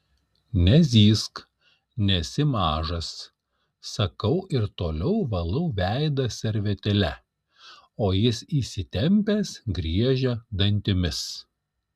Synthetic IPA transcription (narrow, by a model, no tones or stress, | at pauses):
nʲɛzʲiːsk | nʲɛsʲɪmɑːʒɐsː | ɐkɐʊʔɪɾt̪oːlʲɛʊʋɐlˠɐʊʋʲæɪd̪ɐsʲɛɾʲʋʲɛt̪ʲɛlʲɛ | oːjɪsiːsʲɪt̪ʲɛmʲpʲeːsɡɾʲiɛʒʲɛd̪ɐnʲt̪ʲɪmʲɪs